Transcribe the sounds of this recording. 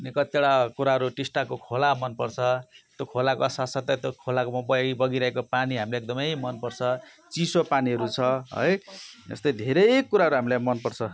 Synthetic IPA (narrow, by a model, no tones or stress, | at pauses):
nekʌt̪eɽakuɾaɦʌɾuʈisʈakokʰolamʌnpʌrt͡sʰʌt̪jokʰolakoʌsasʌt̪ʌt̪okʰolakomʌbʌibʌɡiɾʌɦekopaniɦamileek̚d̪ʌmʌjmʌnpʌrt͡sʰʌ | t͡sisopaniɦʌɾut͡sʰʌɦʌ̰jd͡zʌ̰st̪ʌjd̪ʱeɾʌjkːuɾaɦʌɾuɦamilajmʌnpʌrt͡sʰʌ